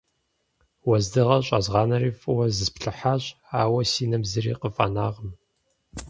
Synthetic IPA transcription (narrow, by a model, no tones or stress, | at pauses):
wɐzdɨʁɐɕʼɐzʁɑːnɐriːfʼɨwɐzɨspɬʼɨħaːɕʼ | aːwɐsiːnɐmzɨrḭːqəfʼɐ̰naːʁəm